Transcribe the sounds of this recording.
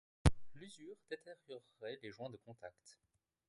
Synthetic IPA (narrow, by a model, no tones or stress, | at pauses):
lyzyːʁd̪̥et̪ʰeʁjɔʁːɛleʒwɛ̃d̪əkɔ̃t̪akt̪